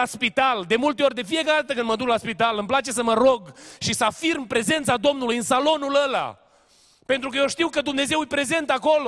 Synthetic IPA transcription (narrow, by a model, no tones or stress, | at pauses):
aspit̪ald̪e̞mult̪eo̞rʲd̪e̞fije̞kaɾed̪at̪ək̬ɨnd̪məd̪uklaspit̪alɨmplat͡ʃe̞səməɾoɡʃisəafirmpɾe̞ze̞nt̪sad̪o̞mnulujɨnsalo̞nuləla̰ | pent̪ɾukəjeʃt̪iwkəd̪umne̞ze̞wujpɾe̞ze̞nt̪əako̞lo